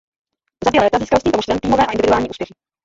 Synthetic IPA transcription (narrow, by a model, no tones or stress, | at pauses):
zabjɛlɛːt̪aziːskalscimt̪omoʃt̪ɾɛmt̪iːmovɛːʔaʔɪndɪvɪduaːlɲiːʔuːspjɛxɪ